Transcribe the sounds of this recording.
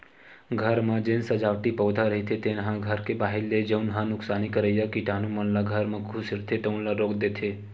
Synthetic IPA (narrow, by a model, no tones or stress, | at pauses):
ɡʱəɾmãd͡ʒɪnsəd͡ʒaːʋʈipɔːd̪ʱaɾəɦit̪ʰet̪enɦãɡʱəɾkebaːɦɪlːed͡ʒəʊnɦãnʊksaːnikəɾəjakiʈaːnumənlaɡʱəɾmãkʰʊsɪɾt̪ʰeʈəʊnlaɾoːkd̪eːt̪ʰeː